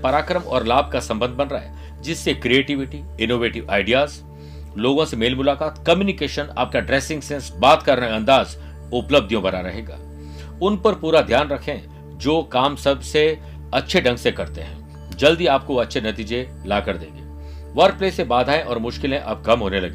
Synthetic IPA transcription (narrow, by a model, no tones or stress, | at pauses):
pɐɾaːkɾəmɔ̰ːɾlaːb̚ʱkasɐ̃mbə̃nd̪̚ʱbɐnɾaɦɛ̰ | d͡ʒɪsːekɾieːʈɪʋɪʈi | ɪnoːʋeːʈɪʋa̰ːɪɖijaːz | loːɡõsemeːlmʊlaːkaːt̪kɐmjuːnɪkeːʃəna̰ːp̚kaɖɾɛːsɪ̃ŋɡsɛ̃ːnsbaːt̪kɐɾnaeɐ̃nd̪aːz | ʊpləb̚d̪ʱijõbɐɾaɾɐɦeːɡa̰ː | ʊnpɐɾpuːɾad̪ʱjaːnɾɐkʰẽ | d͡ʒoːkaːmsɐbse | ɐtːʃʰeɖʱɐ̃ŋɡsekɐɾt̪eɦɛ̰̃ː | d͡ʒɐld̪iaːp̚koɐtːʃʰenɐt̪iːd͡ʒe | laːkəɾd̪ḛ̃ːŋɡeː | ʋɐɾk̚pleːsebaːd̪ʱaːẽʔɔːɾmʊʃkɪlẽʔɐb̚ɡɐmɦoːnelɐɡeː